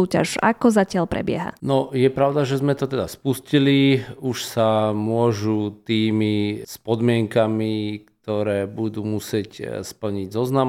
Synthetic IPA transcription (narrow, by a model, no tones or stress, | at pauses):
uːca̰ʒa̰kɔzacɪaʎpɾɛ̰bɪɛ̰ɦa̰nɔjɛpɾaʊd̪aʒɛzmɛt̪ɔt̪ɛd̪aspusciliuʃsamʊɔʒut̪iːmispɔd̪mɪɛŋkamikt̪ɔɾɛːbud̪uːmusɪɛcspl̩ɲiɟzɔznam